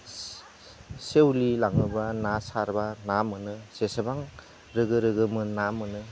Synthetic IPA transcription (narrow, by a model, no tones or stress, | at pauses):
sewlilaŋnɯbanasaɾbanamɯnɯsesebaŋ | ɾɯɡɯɾɯɡɯmɯnamɯnɯ